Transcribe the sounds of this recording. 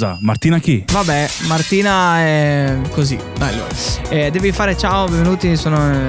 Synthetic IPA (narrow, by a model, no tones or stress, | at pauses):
za̰mart̪iːnakivabɛmart̪iːnaɛkozḭ | ajlːo̰ːɾaɛd̪ɛːvifaːɾet͡ʃaobɛ̃ɱvenuːt̪isoːno